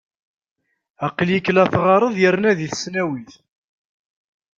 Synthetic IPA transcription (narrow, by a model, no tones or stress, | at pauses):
ɑqljəkːlæθʁɑɾˤəðˤjəɾnæðiθə̥snæwiθ